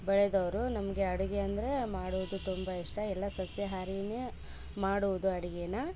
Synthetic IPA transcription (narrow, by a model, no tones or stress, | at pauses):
bɐɭed̪ɐʋɾunɐmɐɡe̞ɐɽuɡeɐnd̪ɐɾe̞maːɽuʋud̪ut̪umbɐiʂʈɐɛlːɐsɐsjɐɦaːɾine | maːɽuʋud̪uɐɽuɡenɐ